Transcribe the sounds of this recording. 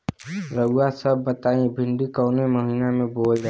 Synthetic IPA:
ɾəɡasəbːət̪aːẽbʱɪ̃ɳɖikəːneməɦiːnamẽboːld͡ʒaː

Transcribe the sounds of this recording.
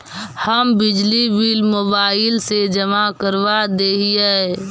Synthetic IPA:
həmbid͡ʒlibilmoːbaːɪlsed͡ʒəmakəɾʋad̪eɦijɛ

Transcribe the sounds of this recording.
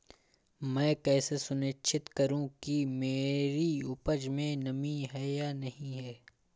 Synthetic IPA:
mɛ̃ːkɛːsesʊnet͡ʃʰɪt̪kɐɾũkimeːɾiʊpəd͡ʒmẽnɐmĩɦɛːjaːnɐɦĩɦɛː

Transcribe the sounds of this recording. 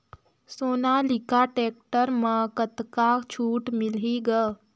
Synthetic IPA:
soːnalikaʈeːk̚ʈəɾmãkət̪kat͡ʃʰuːʈmɪliɡə

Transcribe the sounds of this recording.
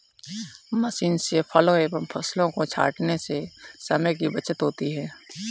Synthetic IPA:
mɐsiːnsepʰɐloeːbəmpʰɐslõkot͡ʃʰa̰ːʈnesesɐməjk̬ibɐt͡ʃət̪ɦoːt̪iɦɛː

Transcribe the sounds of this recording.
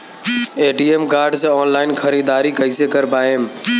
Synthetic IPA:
eːʈiːeːmkaːɾɖsẽɔːnlaːɪnxʰəɾiːd̪aːɾikəiːsekəɾpaːɦeːm

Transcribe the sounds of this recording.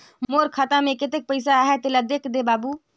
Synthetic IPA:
mmoːɾkʰaːt̪amẽket̪ek̚pəɪs̬aɦɛt̪ɪlad̪eːkʰd̪ebaːbuː

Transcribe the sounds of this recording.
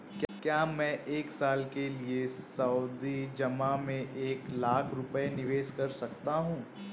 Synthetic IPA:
kkjaːmɛ̃ːʔeːksaːlkeliesɐʊd̪id͡ʒɐmamẽʔeːklaːkʰɾʊpəenɪʋeːʃkɐɾsɐkt̪aɦũː

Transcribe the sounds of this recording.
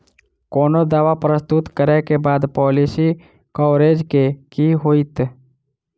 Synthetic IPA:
koːnod̪aːʋapɾəst̪ut̪kəɾekebaːd̪pɔːlisi | kɔːɾeːd͡ʒkekiɦoːit̪

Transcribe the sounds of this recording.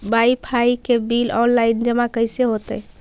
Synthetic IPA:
baipʰaikebilɔnlaind͡ʒəmakəjseɦot̪ə̰j

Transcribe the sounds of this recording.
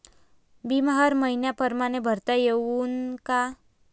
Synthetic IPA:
bimaɦaɾməinjapəɾmaɽ̃ebʱəɾt̪ajeʋuːnka

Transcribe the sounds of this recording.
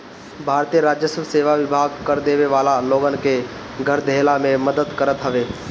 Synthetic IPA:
bʱaːɾt̪ijəɾaːd͡ʒjəsəbseːʋaʋɪbʱaːɡkəɾd̪eːʋeʋaːlaloːɡənɪ̆ke | ɡʱəɾd̪ʱeːlamẽməd̪əd̪kəɾət̪ɦəʋeː

